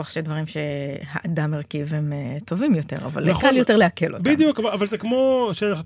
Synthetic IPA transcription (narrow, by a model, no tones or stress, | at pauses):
aχʃedvaʁimʃeha̰ʔadamːeʁkivemeto̞vimjo̞te̞̰ʁa̰va̰lkaljote̞leakelotbidjukavaavalzekmoʃeanaχ